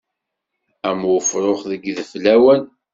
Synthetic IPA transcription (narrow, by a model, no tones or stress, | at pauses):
æmfɾˤoχðəɡðflæwən